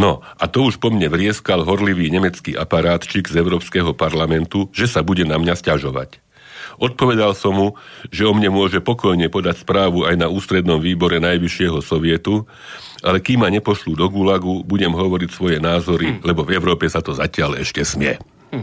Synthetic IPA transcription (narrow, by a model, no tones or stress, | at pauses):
nɔʔat̪ɔuʃpɔmɲɛʋɾɪɛskalɦɔɾliʋiːɲɛmɛt͡skiːʔa̰paɾaːt̪t͡ʃiɡzɛʊɾɔːpskɛɦɔpaɾlamɛnt̪uʒɛsabuɟɛnamɲascaʒɔʋa̰c | ʔɔt̪̚pɔʋɛd̪alsɔmɦuʒɛɔmɲɛmʊɔʒɛpɔkɔjɲɛpɔd̪acspɾaːʋuajnauːst̪ɾɛd̪nɔmʋiːbɔɾɛnajʋiʃɪɛɦɔsɔʋɪɛt̪u | ʔalɛkimːaɲɛpɔʃlud̪ɔɡulaɡubuɟɛmɦɔʋɔɾicsʋɔjɛnaːzɔɾilɛbɔvɛʊɾɔːpɛsat̪ɔzacɪalɛ̰ʃcɛsmɪɛ̰